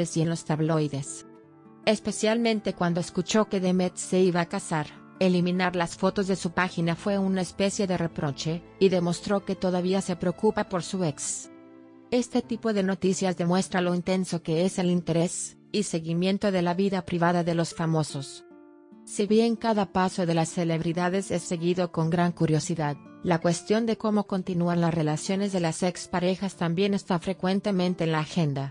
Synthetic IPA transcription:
esjenlo̞st̪aβlo̞jðe̞s | e̞spe̞sjalmẽ̞nt̪e̞kwand̪o̞eskut͡ʃo̞ke̞ðemet̪se̞iβakasaɾ | e̞limĩnaɾlasfo̞t̪o̞zðe̞supaxinafwe̞unaespe̞sje̞ðe̞repɾo̞t͡ʃe̞ | iðe̞mo̞st̪ɾo̞ke̞t̪o̞ð̞aβ̞iase̞pɾeokupapo̞ɾsueks | e̞st̪e̞t̪ipo̞ðe̞no̞t̪isjazðe̞mwe̞st̪ɾalo̞int̪e̞nso̞ke̞ese̞lint̪e̞ɾe̞s | ise̞ɣimje̞nt̪o̞ðe̞laβiðapɾiβaðaðe̞lo̞sfamo̞so̞s | siβje̞ŋkaðapaso̞ðe̞lasːe̞leβɾiðaðe̞se̞sːe̞ɣiðo̞ko̞ŋɡɾaŋkuɾjo̞siðaðlakwe̞st̪jo̞nd̪e̞ko̞mo̞ko̞nt̪inuanlasre̞lasjo̞ne̞zðe̞lasekspaɾe̞xast̪ambje̞ne̞st̪afɾe̞kwe̞nt̪e̞mẽ̞nt̪e̞ːnlaːxe̞nd̪a

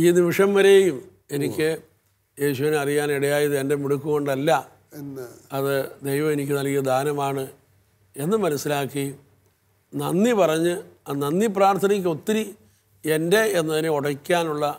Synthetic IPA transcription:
iːniʋiʂɐmʋɐɾe̞jum | e̞nikʲːɨ | je̞ːɕuʋinɐrijaːniɽɐjaːjɐðɨe̞nde̞muɽukːuɣo̞ɳɖɐlːɐ | ɐðɨd̪ejʋɐme̞nikʲːɨnɐlkːɐd̪ʱaːnɐmaːɳɨ | e̞nːɨmɐnɐsːilaːkːi | nɐnːipɐrɐɲːɨɐnɐnːip̬raːrt̪ʰɐnɐk̬ʲːo̞t̪ːiɾi | e̞nde̞enːɐðineuɽɐkʲːaːnuɭːɐ

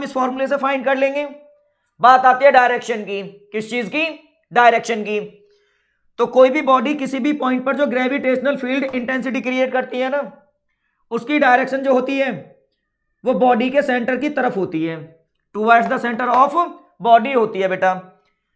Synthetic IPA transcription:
mɪsfɔːɾmules̬efaːɪ̃ɳɖkɐɾlẽːŋɡeː | baːt̪aːt̪iɦɛɖaːɪɾeːkʃənkikɪst͡ʃiːzki | ɖaːɪɾɛːkʃənki | t̪oːkoːibʱibɔːɖikɪsibʱipɔːɪ̃ɳʈ̚pɐɾd͡ʒoːɡɾɛːʋɪʈeːʃnəlfiːlɖɪ̃ɳʈɛ̃ːns̬ɪʈikɾieːʈ̚kɐɾt̪iɦɛnaː | ʊskiɖaːɪɾeːkʃənd͡ʒoːɦoːt̪iɦɛː | ʋobɔːɖikesɛ̃ːɳʈəɾkit̪ɐɾəfɦoːt̪iɦɛː | ʈuːʋaːsd̪ɐsɛ̃ːɳʈəɾɔːf | bɔːɖiɦoːt̪iɦɛbeːʈaː

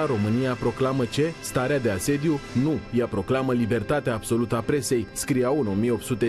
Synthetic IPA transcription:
aɾo̞mɨnijapɾo̞klamət͡ʃe̞st̪aɾead̪e̞ase̞d̪junujapɾo̞klaməlibe̞rt̪at̪eaːbso̞lut̪əapɾe̞se̞jskɾiawɨno̞mijeo̞pt̪sut̪e̞

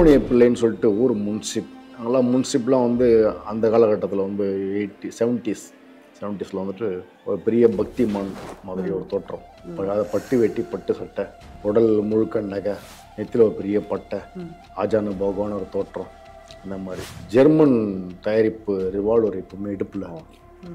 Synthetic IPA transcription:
nɪɐpːɪlːɐnːɯsɔlːɪʈːɯɔɾɯmʊnsɪp̪ːaːŋɡɐlːãːmʊnɪsɪp̬ːlãːʋɐnd̪ɯɐnd̪ɐkaːlɐkːɐʈːɐt̪ːɪlɐʋɐnd̪ɯeʈːisɛʋɐɳʈiːs | sɛʋɳʈːiːslɐʋɐnd̪ɯʈːɯ | ɔɾɯpɛɾɪjɐbʱɐk̚t̪imaːnmaːðɪɾiɔɾɯt̪oːʈːrɐ̃m | pɐɐðɐpɐʈːɯʋeʈːipɐʈːɯsɐʈːɐ | t̪ɔɽɐlmʊɻɯkːɐɳːɐɣɐ | nɛt̪ːɪlɔɾɯpɛɾɪjɐpɐʈːɐ | aːd͡ʒaːnɐbʱɐːɣɯʋaːnɔɾɯt̪oːʈːɾɔ̃ | ɪnd̪ɐmaːd̪ɾid͡ʒɛɾmɐnt̪ɐjaɾɪpːɯɾɪʋaːɭɔɾɯɪpːɐmeːɪɽɯpːɪlɐ

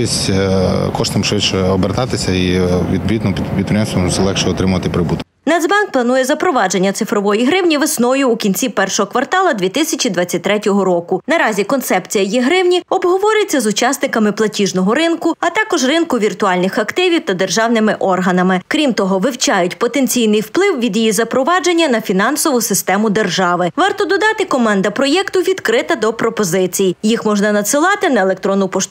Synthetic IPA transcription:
isʲ | kɔʃt̪ɪmʃʋɪt͡ʃɛɔbeɾt̪ɑt̪ɪsʲɐiʋʲid̪bʲid̪nɔpʲid̪pʲid̪̚pɾʲɪjʲɛmsʲɔmsɛlˠɛkʃɛɔt̪ɾɪmʊʋɐt̪ɪpɾɪbut̪ʊ | nɛzbɑnk̚plˠɐnujɛzɐpɾɔʋɑd͡ʒe̞nʲːɐt̪sɪfɾɔʋɔjiɦɾɪwnʲiʋesnɔjʊːkʲinʲt͡sʲipɛrʃɔɦɔkʋɐrt̪ɑlˠɐd̪ʲʋʲit̪ɪsʲɐt͡ʃʲid̪ʋɑt͡sʲːɐt̚ʲt̪ːɾɛtʲɔɦɔɾɔkʊnɐɾɑzʲikɔnt̪sɛpt͡sʲijɐjiɦɾɪwnʲiɔbɦɔʋɔɾʲɪjet͡sʲːɐzʊt͡ʃɑsnɪkɐmɪplˠɐtʲiʒnɔɦɔɾɪnkʊɐt̪ɑkɔʒrɪnkʊʋʲirt̪ʊɑlʲnɪxɐkt̪ɪʋʲiwt̪ɐd̪e̞rʒɑwnɪmɪʔɔrɦɐnɐmɪkɾʲimt̪ɔɦɔʋɪwt͡ʃɑjʊtʲpɔt̪ent͡sʲijnɪjwplˠɪwʋʲid̪jijizɐpɾɔʋɑd͡ʒenʲːɐnɐfʲinɑnsɔʋʊsɪst̪ɛmʊd̪erʒɑʋɪʋɑrt̪ɔd̪ɔd̪ɑt̪ɪkɔmɑnd̪ɐpɾɔjɛkt̪ʊʋʲid̪kɾɪt̪ɐd̪ɔpɾɔpɔzɪt͡sʲijjixmɔʒnɐnɐt̪sɪlˠɑt̪ɪnɐelˠek̚t̪ɾɔnːʊpɔʃ

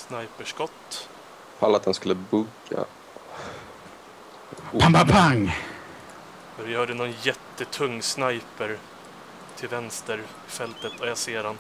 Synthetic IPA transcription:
snajpəʂkɔt̪ː | fa̰lːat̪̚d̪ɛnskɵlːəbɵɡ | a̰ | pʰampapʰaŋ | ɔɾɛjhœːɖənɔnjɛt̪ːət̪ʰɵŋːsnajpəɾ | t̪ʰɪlvɛnst̪əɾ | ɪfɛlt̪ət̪ʰɔjaseːɖan

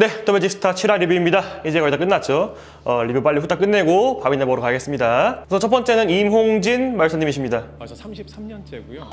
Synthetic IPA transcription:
ne̞tomed͡ʑisʰɯ̥tʰat͡ɕʰiɾaɾibimɲidaid͡ʑekʌitak͈ɯnːat͡ɕ͈o | ʌɾibɯp͈aʎːiɸut͈ʰak͈ɯnːe̞ɡopaminemʌɾokaɡe̞s͈ɯmɲidasʰʌt͡ɕʰʌp͈ʌnt͡ɕ͈e̞nɯnimɦoŋd͡ʑinmaɭs͈ʰaɲimiɕʰimɲida

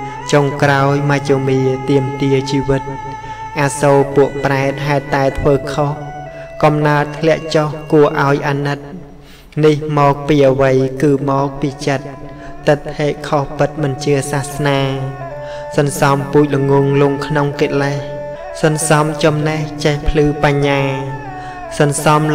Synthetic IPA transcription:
t͡ɕoŋkraɔjmat͡ɕoːmiət̪iəmt̪iət͡ɕiːʋɨt̪̚ | ʔaːsoːpuəʔpraɛt̪̚ɦaɛt̪ːaɛt̪ʰʋəːkʰoh | kɑmnaət̪ʰlɛ̆əʔt͡ɕohkuəʔaɔjʔaːnɨt̪̚ | nihmɔːk̚piːʔəʋəjkɨːmɔːk̚piːt͡ɕət̪̚ː | ɨt̪ʰːeːʔkʰohpɨt̪̚mɨnt͡ɕiəsaːhsnaː | sɑnsɑmpuːc̚ləŋuŋluŋkʰnoŋket̪̚lah | sɑnsɑmt͡ɕɑmneht͡ɕehpʰlɨːpaɲːaː | sɑnsɑm

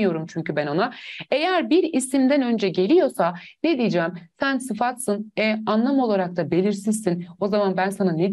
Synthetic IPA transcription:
ijo̞ɾumt͡ʃʰyɲcʰybænonaejæɾbiɾisimd̪ænø̞nd͡ʒɛɟe̞lʲijo̞saned̪ijd͡ʒɛːmsænsɯfat̪sɯnɛanlˠamo̞lˠaɾak̚t̪ʰabe̞lʲiɾsizsino̞zamanbænsanane

